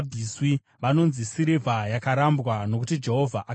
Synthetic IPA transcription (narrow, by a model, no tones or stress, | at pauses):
b͡viswi | ʋano̞nzisiɾevʱajakaɾambwano̞kutid͡ʒe̞ɦo̞vʱaʔa